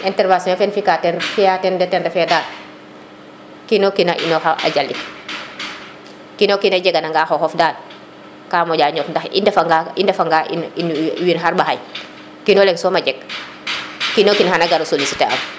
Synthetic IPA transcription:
ɛntɛɾvasɔ̃afɛnfikatɛnfijatɛndɛtɛndɛfɛdaːd | kinokinaʔḭnoxaʔa̰ɟalːḭk | kinokinad͡ʒɛɡanaŋɡaxoxɔfdaːd | kaːmɔɟaːɲɔtndaxḭndɛfaɡaindɛfaŋɡaʔḭninwinxaɾbaxaj | kinolɛŋsɔːmad͡ʒɛk | kinokinhanaɡaɾosolisitea̰m

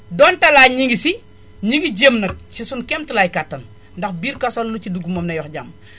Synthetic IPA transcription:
dɔːntɐlaːɲiŋɡisi | ɲiŋɡiɟemnɐk̚t͡ʃisunkɛmtulaːjkatːɐn | ndɐxbiːɾkɐsolːuciduɡumɐmnɐjɔxɟam

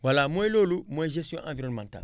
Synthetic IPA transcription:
walamõelolumɔ̃ɛʒesijɔ̃ʔãviɾɔ̃nmãnta̰l

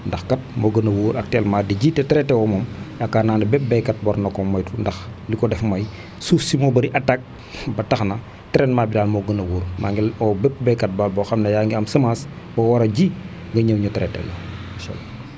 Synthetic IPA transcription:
ndɐxkɐt̚moɡənɐwuːɾʔɐk̚tɛlmaːdiɟitɛtɛɾɛtːɛwɔmɔmɐkːanaːndɐbɛp̚bɛkːɐt̚bɔɾnɔkɔmːɐjtundɐxlikɔdɛfmɐj | sufsimɔbɐdiʔɐtak̚ | bɐtɐxnɐ | tɛɾɛnmaːbidaːlmoɡənɐwuːɾmaŋɡɛlɔbɛp̚bɛkːɐt̚balbɔxɐmnɐjaŋɡiɐmsɐmas | bɐwɐɾɐɟi | ŋɡɐɲəwɲutɐɾɛtɛ̰lɔmaʃa̰lːa

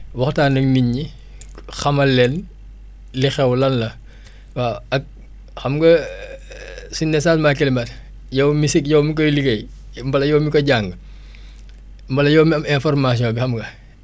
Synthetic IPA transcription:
wɐxtaːnɐk̚miɲːi | xɐmɐlɛn | lixɛwlɐnlɐ | waɐk̚ | xɐmɡɐ | sunɛsasmakɛlimɐt | jɐwmisikjɐwmik̬ɔliɡɐj | mbɐlɐjɔwmikɔɟaŋɡ | mbɐlɐjɔwmiɐmɛ̃nfɔrmaːs̬ijɔ̃ːbixɐmɡɐ

